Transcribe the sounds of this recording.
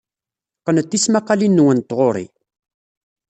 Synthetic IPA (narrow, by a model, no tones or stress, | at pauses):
qːənət̪ːismæqːalinːwənt̪ːʁoɾˤḭ